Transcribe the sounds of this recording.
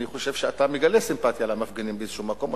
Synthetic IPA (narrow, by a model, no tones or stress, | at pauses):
niχo̞ʃe̞v̥ʃeat̪ameɡalesimpat̪jalamafɡenimbeezeʃumako̞m